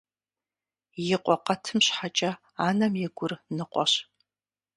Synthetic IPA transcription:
jɪqʷʼɔqɐtʰɨmɕħat͡ʃʼɐ | aːnɐmjɛɡʷʊrnɨqʷʼɔ̰ɕ

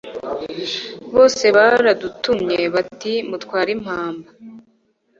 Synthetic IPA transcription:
βo̞ːse̞βaɾadutumɲeβatimutkwaːɾim̥haːmba

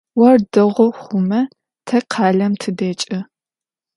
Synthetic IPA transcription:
wɐrdɨʁʷɔχʷʊmɐ | tʰɐqʰɑːɮɐmtʰɨdeːt͡ʃʼɐ

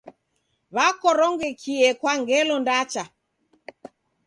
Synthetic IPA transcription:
βakɔɾɔŋɡɛkʰiɛkwaŋɡɛlɔndat͡ʃa

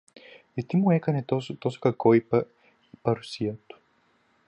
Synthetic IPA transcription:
ɛt̪imuɛkɐnɛt̪ɔst̪ɔskɐkɔjpə | ipɐɾsijət̪

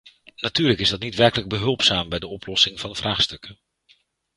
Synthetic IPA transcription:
natyːɹləkɪzdɑtnitʋɛɹkələɡ̚bəɦɵlˠpsaːmbɛjdəɔplɔsɪŋvɑnv̥rʔaːχstɵkən

